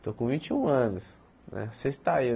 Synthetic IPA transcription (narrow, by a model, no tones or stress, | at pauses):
t̪okõvĩnt͡ʃiũɐ̃nʊs | nɛ̰sest̪ai